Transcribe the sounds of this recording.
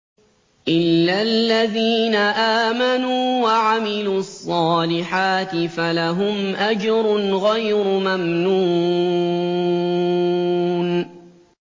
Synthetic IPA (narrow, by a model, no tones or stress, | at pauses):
ʔɪlːalːaðiːnaʔaːmanuːwaʕamɪluːɑsˤːɑːlɪħaːt̪ɪfalaɦʊmʔad͡ʒɾʊnɣajɾʊmamnuː | n